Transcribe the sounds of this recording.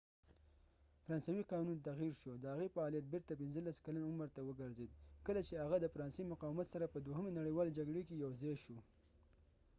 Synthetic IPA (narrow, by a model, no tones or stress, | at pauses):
fɾɑnsawiqɑnunt̪aɣiɾʃod̪əaɣefaːlijat̪̚bɪɾt̪apɪnzəlaskalanʊmɾt̪awəɡəɾzed̪̚kəlat͡ʃehaɣad̪əfaɾɑnsejmʊqɑwɪmat̪saɾapəd̪woɦəmenaɽiwɑled͡ʒaɡɽekejawzɑjʃo